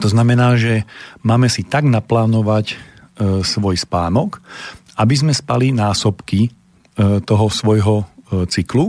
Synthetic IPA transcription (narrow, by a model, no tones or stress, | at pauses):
t̪ɔznamɛnaːʒɛmaːmɛsit̪aɡnaplaːnɔʋac | sʋɔjspaːnɔkʔabizmɛspalinaːsɔpki | t̪ɔɦɔsʋɔjɦɔt͡siklu